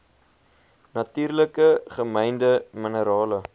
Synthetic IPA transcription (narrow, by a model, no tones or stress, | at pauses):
nɐtyːrləkəχəməjndəmənəɾɑːlə